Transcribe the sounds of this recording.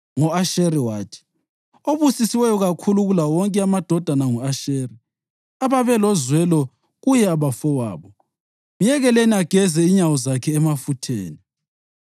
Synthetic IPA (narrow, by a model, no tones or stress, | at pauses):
ŋɔaʃeriwaːtʰi̥ | oβusisiwɛjɔɣakʰuluɣulawɔŋkʼɛamad̥ʱɔd̥ʱanaŋɔaʃeːri | aβaβɛlɔzwɛlɔ | ɣujɛaβafɔwa̰ːβɔ | mijɛɣɛleniaɡ̥ʱɛzɛiɲawɔzakʰɛːmafutʰḛːni